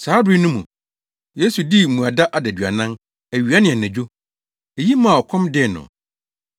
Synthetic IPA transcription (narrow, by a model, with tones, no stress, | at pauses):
saː˨˦di˦nʊ̃˦mũ˨ | je˦su˨di˦mũ˨a˨da˦ʔa˨dæ˨dɥa̰˨nã˦n | æ˨ɥi˨a˦nɪ̃˨ɛ˨næ̃˨d͡ʑᶣo˦ | e˨ji˦mã˨ɔ˨kʷʰɔ̃˦mdɪ˦˨nʊ̰̃˨